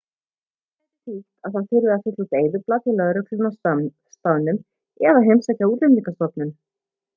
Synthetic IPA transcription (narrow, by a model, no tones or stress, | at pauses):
ɛɾɪt̪it̪aðθaðfɪɾʏafɪt̪lut̪eːjðʏplat̪ɪlɛɣɾœkʰlʏma | st̪awnʏm | ɛðaɦejmsacauːt̪lɛmliŋkast̪ɔp̪nʏm